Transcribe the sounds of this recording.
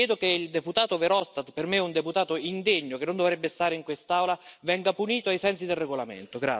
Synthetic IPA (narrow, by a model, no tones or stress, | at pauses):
jɛːd̪okeild̪eput̪aːt̪oveɾɔst̪at̪permeund̪eput̪aːt̪oind̪eɲːokenːond̪ovɾɛbːest̪aːɾeiŋkwest̪awlavɛŋɡapuniːt̪oajsɛnsid̪elreɡolamḛnt̪oɡɾa̰